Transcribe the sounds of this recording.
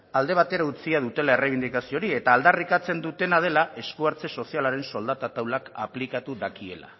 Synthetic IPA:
ald̪e̞β̞at̪e̞ɾaut͡siað̞ut̪e̞laereβind̪ikasio̞ɾie̞t̪aːld̪arikat͡se̞nd̪ut̪e̞nað̞e̞laʔe̞skuaɾt͡se̞so̞sialaɾe̞nso̞ld̪at̪at̪awlaka̰plikat̪uðakie̞̰la̰

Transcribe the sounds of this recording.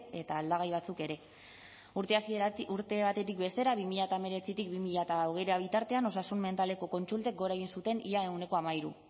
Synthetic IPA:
e̞t̪aːld̪aɣ̞ajβat͡suke̞ɾe̞ | asiuɾt̪e̞βat̪e̞t̪ikbe̞st̪e̞ɾaβimiʎat̪ame̞ɾe̞t͡sit̪ikbimiʎat̪aoɣ̞e̞jɾeaβ̞it̪aɾt̪e̞ano̞sasunme̞nt̪ale̞ko̞ko̞nt͡sult̪e̞k̚ɡo̞ɾaeɣ̞insut̪e̞niae̞ɣune̞ko̞amaiɾu

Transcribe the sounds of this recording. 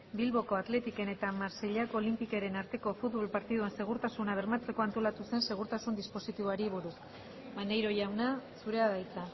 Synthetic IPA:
bilβo̞ko̞at̪le̞t̪ike̞ne̞t̪amaɾseʎakoːlimpikeɾe̞naɾt̪e̞ko̞fut̪βo̞lpaɾt̪iðue̞nse̞ɣ̞uɾt̪asunaβ̞e̞ɾmat͡se̞ko̞ant̪o̞lat̪use̞nse̞ɣ̞uɾt̪asund̪ispo̞sit̪iβoaɾiβ̞uɾus | banejɾo̞ʝawnasuɾe̞aðajt͡sa

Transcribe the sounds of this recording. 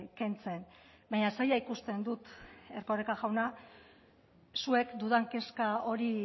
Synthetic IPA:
ke̞nt͡se̞n | baɲasajaikust̪e̞nd̪ut̪e̞rko̞rekaɣawna | sue̞kd̪uðaŋke̞skao̞ɾi

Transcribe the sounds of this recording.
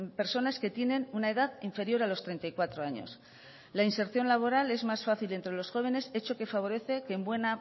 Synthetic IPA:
mpe̞ɾso̞naske̞t̪je̞ne̞nunae̞ðaðiɱfe̞ɾjo̞ɾalo̞st̪ɾe̞jnt̪ajkwat̪ɾo̞aɲo̞̰s | lainse̞ɾθjo̞nlaβ̞o̞ɾale̞zmasfaθile̞nt̪ɾe̞lo̞sxo̞β̞e̞ne̞se̞t͡ʃo̞ke̞faβ̞o̞ɾe̞θe̞keːmbwe̞na

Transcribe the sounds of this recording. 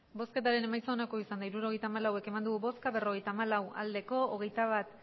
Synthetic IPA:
bo̞ske̞t̪aɾe̞ne̞majso̞ːnakoisand̪aiɾuɾo̞ɣ̞e̞jt̪aːmalawe̞ke̞mand̪uɣuβo̞skaβe̞ro̞ɣ̞e̞jt̪aːmalawa̰ld̪e̞ko̞oɣ̞e̞jt̪aβ̞at̪

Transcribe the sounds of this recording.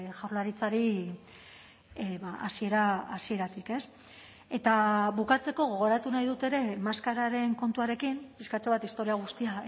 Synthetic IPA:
ʝawɾlaɾit͡saɾi | βaasie̞ɾaasie̞ɾat̪ike̞s | e̞t̪aβukat͡se̞ko̞ɣ̞oɣ̞o̞ɾat̪unajðut̪e̞ɾe̞maskaɾaɾe̞ŋko̞nt̪uaɾe̞kimpiskat͡ʃoβat̪ist̪o̞ɾiaɣ̞ust̪ia

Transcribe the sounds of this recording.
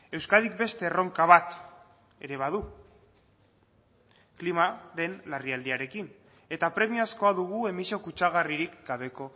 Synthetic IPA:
e̞wskaðik̚be̞st̪e̞ro̞ŋkaβ̞at̪ | e̞ɾe̞β̞að̞u | klimaɾe̞nlariald̪iaɾe̞kin | e̞t̪apɾe̞miasko̞aðuɣ̞ue̞miso̞kut͡ʃaɣ̞ariɾikɡaβ̞e̞ko̞

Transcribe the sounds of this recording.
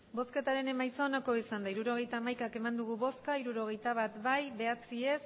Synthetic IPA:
bo̞ske̞t̪aɾe̞ne̞majso̞nako̞isand̪aiɾuɾo̞ɣ̞e̞jt̪aːmajkake̞mand̪uɣ̞uβo̞skaiɾuɾo̞ɣ̞e̞jt̪aβat̪bajβe̞at͡sie̞s

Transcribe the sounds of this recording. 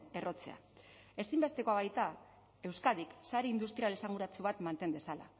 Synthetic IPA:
e̞ro̞t͡se̞̰a̰ | e̞simbe̞st̪e̞koaβajt̪a | e̞wskað̞iksaɾeind̪ust̪ɾiale̞saŋɡuɾat͡suβat̪mant̪e̞nd̪e̞sala̰

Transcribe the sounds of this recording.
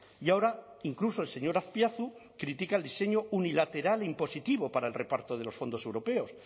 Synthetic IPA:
jao̞ɾa | iŋkluso̞else̞ɲo̞ɾaθpjaθu | kɾit̪ikaeld̪ise̞ɲo̞unilat̪e̞ɾaleimpo̞sit̪iβ̞o̞paɾaelre̞paɾt̪oð̞e̞lo̞sfo̞nd̪oe̞wɾope̞o̞s

